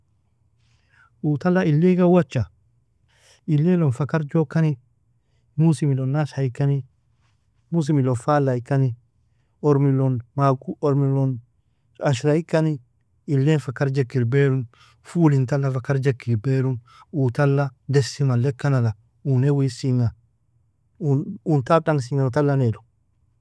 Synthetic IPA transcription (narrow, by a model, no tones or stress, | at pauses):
utalːailːekawat͡ʃːa | ilːelɔnfakaɾd͡ʒɔkːani | musimilɔnːaʃaikani | mus̬imilɔfalaikani | ɔɾmilɔnmakuɔɾmilɔn | aʃɾaikani | ilːɛnfakaɾd͡ʒekːilbeɾun | fuːlintalːafakaɾd͡ʒekːilbeɾun | utalːadɛsimalɛkːanala | unewisiŋa | uuntaɗaŋs̬iŋatalːanɛlɔn